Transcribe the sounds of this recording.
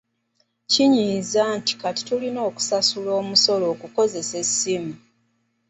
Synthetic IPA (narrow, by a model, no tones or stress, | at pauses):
ciɲiːzaːnti̥kati̥tulino̞ːku̥sasulo̞ːmuso̞lo̞ːkuko̞ze̞se̞simu